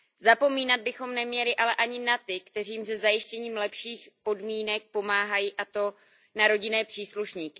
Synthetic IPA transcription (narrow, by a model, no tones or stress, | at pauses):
zapo̞miːnad̪̚bɪxo̞mnɛmɲɛlɪʔalɛʔaɲɪnat̪ɪkt̪ɛr̝iːms̬ɛzajɪʃcɛɲiːmlɛpʃiːxpo̞dmiːnɛk̚po̞maːɦajiːʔat̪o̞ | naɾo̞ɟɪnɛːpr̝̥iːsluʃɲiːkɪ̥